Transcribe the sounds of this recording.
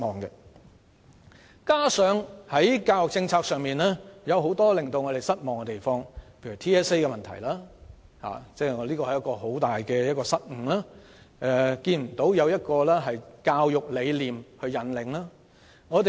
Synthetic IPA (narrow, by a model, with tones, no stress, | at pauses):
mɔː˨ŋkɛ˧ | kaː˥sœː˨˥ŋhɐ˨˥jkaː˧wjʊ˨k̚t͡sɪ˧ŋt͡sʰaː˧k̚sœː˨ŋmiː˨nlɛː˥jɐ˨˧wɦo˨˥wt̪ɔː˥lɪ˨˩ŋt̪o˨wŋɔː˨˧ɾe˨jsɐ˥t̚mɔː˨ŋkɛ˧t̪e˨˩jfɔː˧ŋpʰe˧ɥy˨˩t̪ʰiː˥ɛː˥se˥jkɛ˧mɐ˨nt̪ʰɐ̰˨˩jlaː˥ | ha̰ː˨t͡sɛː˥˨˧liː˥kɔː˧hɐ˨jɐ˥tkɔː˧ho˨˥wt̪aː˨jkɛː˧jɐ˥t̚kɔː˧sɐ˥t̚ŋ̩˨˩laː˥ | ʔɛ˧kiː˧nm̩˨˩t̪o˨˥wjɐ˨˧wjɐ˥t̚kɔː˧lɛː˥ɦɐ˨jkaː˧wjʊ˨k̚le˨˧jliː˨mhɵ˧ɥjɐ˨˥nlɪ˨˩ŋlaː˥ | ŋɔː˨˧t̪e˨